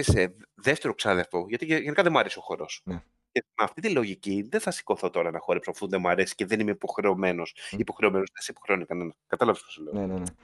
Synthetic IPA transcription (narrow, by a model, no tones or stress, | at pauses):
iseðeft̪e̞ɾo̞ksɐðiɐft̪o̞ʝɐt̪ieʝenikɐðemuɐɾe̞sio̞xo̞ɾo̞sn | cemɐft̪it̪ilo̞ʝiciðeθɐsi̥ko̞θo̞t̪o̞ɾɐnɐxo̞ɾepsofunðemuɐɾesi̥ceðe̞nimeipo̞xɾe̞o̞me̞no̞sipo̞xɾe̞o̞me̞no̞zðesipo̞xɾeo̞nikɐne̞nɐskɐt̪ɐlɐvesposole